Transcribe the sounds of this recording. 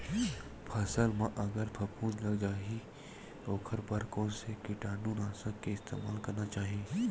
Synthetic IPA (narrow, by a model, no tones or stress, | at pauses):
pʰɐsəlmãʔɐɡəɾpʰɐpʰuːnlɐɡd͡ʒaːɦi | oːkʰəɾpɐɾkɔ̃ːnsekɪʈaːnũːnaːsəkːeɪst̪ḛːmaːlkɐɾnat͡ʃaːɦiẽː